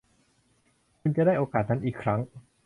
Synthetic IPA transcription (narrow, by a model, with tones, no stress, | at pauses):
kʰu˧nt͡ɕa˨˩daː˥˩jʔoː˧kaː˨˩t̪̚na˦˥nʔiː˨˩kʰɾa˦˥ŋ